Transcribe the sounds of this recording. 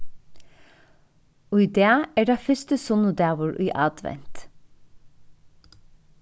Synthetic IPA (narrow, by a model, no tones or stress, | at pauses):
ʊʏd̪eːɑæːɖæːfʏst̪əsʊnʊd̪æːʋʊɹʔʉːʔɑ̰ːd̪ʋɛ̰nt̪